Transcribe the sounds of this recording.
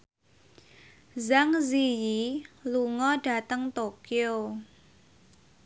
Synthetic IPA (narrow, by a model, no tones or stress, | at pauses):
zaŋzijiluŋɔɖ̥a̤t̪əŋt̪okio